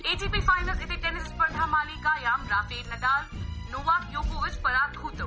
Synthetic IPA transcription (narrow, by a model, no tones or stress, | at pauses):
eːʈiːpifaːɪnəlsɪt̪ʰeʈeːnɪspɐɳɖʱamaːlikajaːmɾaːfeːnɐɖaːznoːʋaːkjõːkoːɪd͡ʑpɐɾaːt̪kʰuːt̪oː